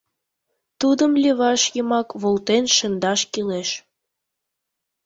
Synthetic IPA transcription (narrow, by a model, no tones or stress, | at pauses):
t̪ud̪əmlʲeβɑʃjəmɑkβolt̪enʃə̆nd̪ɑʃkileʃ